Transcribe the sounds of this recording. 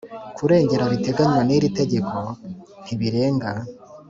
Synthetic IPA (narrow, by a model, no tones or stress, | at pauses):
kʰuɾe̞ːɲɟe̞ɾaβite̞ɡaɲwaniɾite̞ɟe̞kʰo̞ | n̥iβiɾe̞ːŋɡa